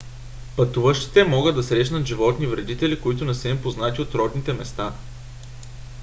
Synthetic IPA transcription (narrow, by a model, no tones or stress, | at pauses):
pɐt̪uvəʃt̪i̥t̪ɛmɔɡəd̪ːɐsɾɛʃnət̪ʒivɔt̪nivɾɛd̪it̪ɛlʲikoit̪ʊnɛsɛmpoznat̪ʲiot̪ɾɔd̪nit̪ɛmɛst̪a